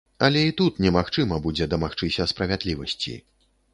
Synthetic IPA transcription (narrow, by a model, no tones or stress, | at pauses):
ɐlʲɛit̪ut̪nʲɛmaxt͡ʂɨmɐbud͡zʲɛd̪ɐmaxt͡ʂɨsʲɐspɾɐvʲad̪lʲivɐsʲt͡sʲḭ